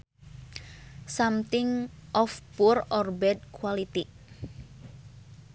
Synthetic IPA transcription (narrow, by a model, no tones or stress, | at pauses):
samt̪ɪŋʔɔfpurɔrbɛd̪̚kwalit̪i